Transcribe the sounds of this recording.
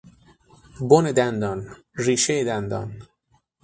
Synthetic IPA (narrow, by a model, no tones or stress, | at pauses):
boned̪ænd̪ɒːn | riːʃejed̪ænd̪ɒ̰ːn